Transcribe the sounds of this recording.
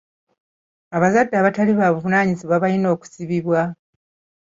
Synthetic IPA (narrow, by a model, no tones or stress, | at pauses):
aβazadːaβataliβaːβuvunaːɲiziβwaβalino̞ːku̥siβiβwa